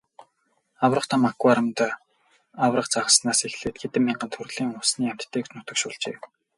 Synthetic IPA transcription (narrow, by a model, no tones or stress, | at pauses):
awrə̆χt̪ʰamakuaɾə̆mt̪ː | awrə̆χt͡saʁə̆snaːsexɮeːt̪̚ɡet̪ɘ̆mːiɴɢə̆nt̪ʰurɣɮiːŋʊsniːam̥t̪ʰːeːkt͡ɕnʊt̪ə̆kʃʊːɮt͡ɕḛː